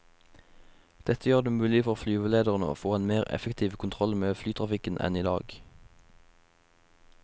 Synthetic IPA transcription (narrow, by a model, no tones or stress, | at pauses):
d̪̥ɛt̪əjøːʁd̪eːmʉːlɪfɔʁoːflyːʋəleːd̪əʁnəo̰ːfoːeːnmeːʁɛ̰fəkt̪ʰiːʋkʰʊnt̪ʰʁɔlmeːflyːt̪ʰʁɑfɪkənʔɛ̰niːd̪ɑ̰ːɡ